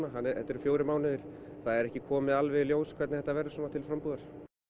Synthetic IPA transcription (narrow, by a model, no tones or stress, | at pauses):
naɦanːɛt̪ːɛɾfjowɾɪmaːwnɪðɪɾ̥ | θaðɛɾɛhcɪkʰɔːmɪðalvɛljoːwskʰvɛt̪nθɛ̥t̪avɛːɾasɔːnat̪ʰɪlfɾampuːðaɾ̥